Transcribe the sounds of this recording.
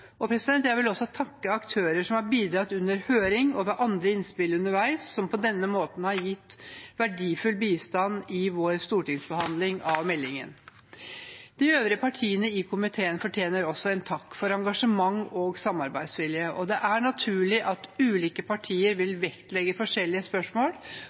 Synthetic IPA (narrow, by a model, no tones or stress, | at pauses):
ɔpʰɾɛsɪd̪ɛnt̪jæɪʋɪlɔsːɔt̪ʰɑkːəɑkt̪ʰøːɾəʂɔmhɑɾbiːd̪ɾɑt̪ːʉnːəɾhøːɾɪŋɔʋɛʔɑnd̪ɾəɪnspɪlʉnəɾʋæɪsːɔmpʰɔd̪ɛnːəmoːt̪n̩hɑɾjɪt̪ːʋæɖiːfʉlbiːst̪ɑnɪʋoːɾst̪uːʈɪŋsbəhɑnd̪lɪŋɑʋmɛlːɪŋə̰n | d̪̥ɪøːʋɾəpʰɑʈʰiːənəɪkʰʊmɪt̪ʰeːənfɔʈʰjeːnəɾɔsːɔɛnt̪ʰɑkːfɔɾɑŋɡɑʂəmɑŋːoːɡsɑmːɑɾbæɪd̪sʋɪljəʔɔd̪ɛʔæɳɑt̪ʰʉːɭɪʔɑt̪ʉːliːkəpʰɑʈʰiːəɾʋɪlʋɛkt̪lɛɡəfɔʂɛlːɪəspœʂmoːl